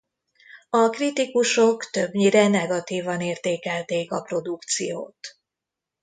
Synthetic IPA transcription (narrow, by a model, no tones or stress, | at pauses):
ɒkrit̪ikuʃo̞kt̪ø̞bɲiɾɛnɛɡɒt̪iːvɒneːrt̪eːkɛlt̪eːkɒpro̞d̪ukt̪sḭjo̰ːt̪